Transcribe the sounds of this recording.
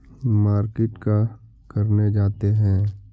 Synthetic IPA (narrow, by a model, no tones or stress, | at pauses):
maːɾkɪʈka | kɐɾned͡ʒaːt̪eɦɛ̃ː